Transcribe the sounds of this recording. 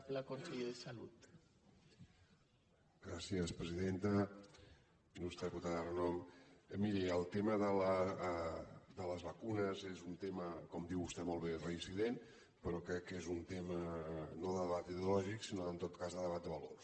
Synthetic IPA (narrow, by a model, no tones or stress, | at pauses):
ləkonseʎeðəsalut̪ | ɡɾasiəspɾəziðent̪ə | inust̪ɛput̪arənɔməmiɾiəlˠt̪eməðələ | d̪ələzβəkunəzezunt̪eməkɔmd̪iwust̪ɛmɔlˠβerəiziðen | pəɾɔkɾɛkːezunt̪emənoðəðəβat̪iðeulɔʒiksinoənt̪ot̪kazðəðəβat̪̚əβəlo̰r